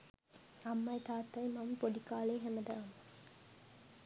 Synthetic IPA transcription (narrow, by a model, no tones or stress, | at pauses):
ɐmːɐjt̪aːt̪ɐjmɐmpoɖikaːleːɦæmɐd̪ɐʋɐmɐ